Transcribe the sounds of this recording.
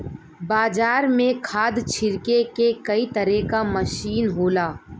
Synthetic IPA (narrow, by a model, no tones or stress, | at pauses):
baːd͡ʒaːɾmẽkʰaːd̪t͡ʃʰɪɾkekekɐit̪ɐɾɛkamɐʃiːnɦoːlaː